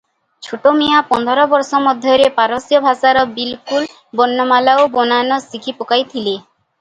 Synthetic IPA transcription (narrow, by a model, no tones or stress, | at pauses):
t͡ʃʰoʈomijapɔnd̪ʱɔɾɔbɔɾsɔmɔd̪ʱjɔɾepaɾɔsijɔbʱasaɾɔbilkul | bɔnːɔmalaobɔnanɔsikʰipokajt̪ʰile